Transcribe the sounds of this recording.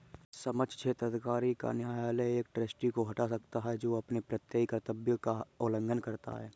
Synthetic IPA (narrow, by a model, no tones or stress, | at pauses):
səməd͡ʒt͡ʃʰeːt̪ɾəd̪kaːɾika̰nɪaːjaleeːk̚ʈɾəsʈikoɦɐʈasəkt̪aɦɛd͡ʒoːɐpnepɾət̪jəɦikəɾt̪əbjəkaoːlə̃ŋɡənkəɾt̪a̰ɦɛː